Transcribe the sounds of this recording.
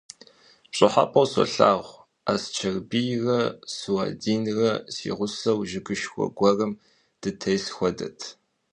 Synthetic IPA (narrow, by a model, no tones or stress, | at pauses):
t͡ʃʷʼɪħa̰pʼɐwsɔ̰ɬa̰ːʁʷ | aːst͡ʃʰɐrbijrɐsɨwaːdiːnrɐsḭːʁʷʊsɐwʒɪɡɨʃxʷɔ̰ɡʷɔrɐm | d̥ɨtʰɐjsxʷɔdɐ̰tʰ